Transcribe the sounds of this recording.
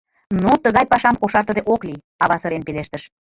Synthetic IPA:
not̪əɣɑjpɑʃɑmkoʃɑrt̪ə̆d̪eʔokli | ɑβɑsəɾenpeleʃt̪əʃ

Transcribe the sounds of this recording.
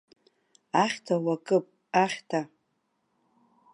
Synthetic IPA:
aχʲtʰawakʼɨpʼ | aχʲtʰa

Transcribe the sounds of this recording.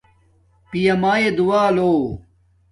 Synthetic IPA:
pijɐmaːjed̪uwaːloː

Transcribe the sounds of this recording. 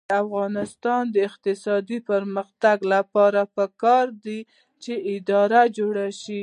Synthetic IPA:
afɣɑnɪst̪ɑnd̪əɪqt̪ɪsɑd̪ipəɾməxt̪aɡlapɑɾapəkɑɾd̪i | t͡ʃeʔɪd̪ɑɾad͡ʒoɽaʃi

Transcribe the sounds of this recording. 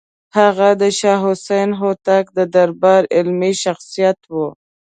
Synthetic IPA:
haɣad̪əʃɑɦʊsajnɦot̪ak̚d̪əd̪aɾbɑɾɪlmiʃaxsijat̪wu

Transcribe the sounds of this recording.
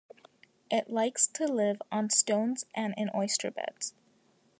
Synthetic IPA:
ʔɪʔlaɪkstʰɨlɪvə̃n̩stõʊ̃nzʔɨ̃nɨ̃nʔɔɪstʰə̰˞bɛ̰d̥z̥

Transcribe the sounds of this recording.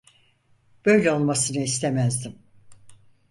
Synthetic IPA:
b̥ø̞jlʲɛo̞lˠmasɯnɯist̪ʰemæzd̪im

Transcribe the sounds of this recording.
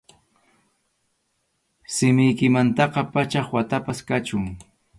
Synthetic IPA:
sɪmɪjkɪmant̪ɑqɑpat͡ʃɑχwat̪apaskat͡ʃʊŋ

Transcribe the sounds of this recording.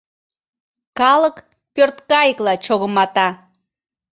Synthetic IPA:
kɑlək | pørt̪kɑjəklɑt͡ɕoɣəmɑt̪ɑ

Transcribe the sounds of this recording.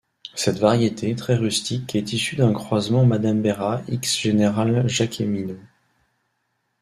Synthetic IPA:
sɛt̪vaʁjet̪ʰet̪χɛʁyst̪ikɛt̪isyd̪ɛ̃kχwazmɑ̃mad̪ambeʁaiksʒeneʁalʒakʰemino

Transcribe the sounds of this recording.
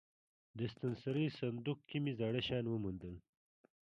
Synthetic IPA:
d̪əst̪ɐnsɐɾəjsɐnd̪ukkimizɑɽəɕɑːnwəmund̪əl

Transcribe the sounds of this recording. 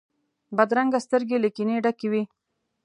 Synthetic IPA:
bad̪ɾaŋɡast̪əɾɡelikineɖakewi

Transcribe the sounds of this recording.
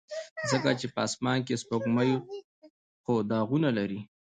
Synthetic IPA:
zəkat͡ʃepəɑsmɑnk̬espokmajo | xod̪ɑɣunalaɾi

